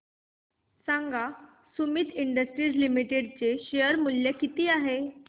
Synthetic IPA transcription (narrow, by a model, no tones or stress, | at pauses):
saŋɡa | sumit̪iɳɖəsʈɾiːd͡zlimiʈeɖt͡seɕejəɾmuljekit̪iːaɦe